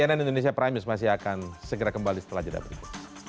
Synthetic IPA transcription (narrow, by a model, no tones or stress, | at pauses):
ananindonesiapəɾamɪsmas̬ɪɦakansəɡəɾakəmbalisə̥t̪əlad͡ʒada̰bəɾḭkʊ